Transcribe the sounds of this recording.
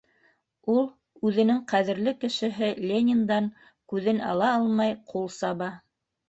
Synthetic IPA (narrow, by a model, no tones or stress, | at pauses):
ulˠ | ʉðɘ̆nɘŋqæðɘ̆ɾlɘkɘ̆ʃɘ̆ɦɘlʲenʲɪnd̪ɑŋ | kʉðɘnɑ̰lˠɑɑlˠmɑjqʰulˠsɑβɑ